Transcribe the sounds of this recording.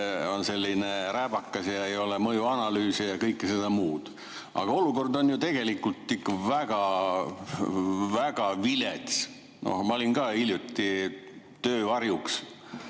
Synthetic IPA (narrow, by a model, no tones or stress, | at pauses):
o̞nse̞lʲːineɾæb̥ɑkːˑɑsjɑejo̞lemɤjuɑnɑlyːsijɑkɤjkːise̞d̪ɑmuːd̪̥ | ʔɑ̰ɡ̥ɑo̞luko̞rd̪o̞njut̪e̞ɡ̥e̞likːˑult̪ːˑikːɑvæɡ̥ɑ | væɡɑvilet̪s | no̰hmɑolʲinɡɑːiljut̪ʲːi | t̪øːvɑrjuks